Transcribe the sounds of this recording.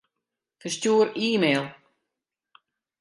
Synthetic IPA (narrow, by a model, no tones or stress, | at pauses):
fərstjuːəɾiːmeːlˠ